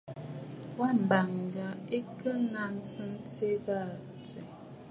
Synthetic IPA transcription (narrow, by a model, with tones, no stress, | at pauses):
wa˦˨m̩˨ba˨ŋ˨d͡ʒa˨e˦kə˦na˦nsə˦n̩˦t͡ʃe˦ɣa˦˨t͡ʃə˨